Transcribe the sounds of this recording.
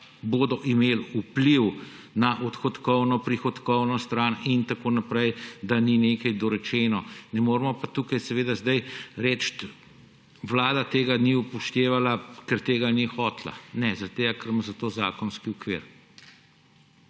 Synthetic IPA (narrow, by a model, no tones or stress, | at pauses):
boːd̪ɔʔimeːlupliw | naʔɔt̪xɔt̪kɔwnɔpɾixɔt̪kɔwnɔst̪ɾaːnint̪akoːnapɾɛjd̪anineːkɐjd̪ɔɾɛt͡ʃɛːnɔnɛmoːɾmɔpat̪uːkajsɛʋeːd̪azd̪ajɾɛt͡ʃt̪ | ʋlaːd̪at̪eːɡaniupɔʃt̪eːʋalakɛɾt̪eːɡanixɔːt̪la̰nɛzaɾt̪eɡakɛɾmazat̪oːza̰ːkɔnskiɔkʋḭːɾ